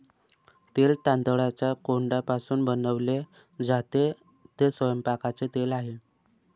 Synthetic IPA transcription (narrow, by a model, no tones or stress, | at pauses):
t̪elt̪and̪əɭat͡ɕjakoɳɖapasuːnbənəʋle | d͡zat̪e | t̪esʋəjəmpakat͡set̪elaɦe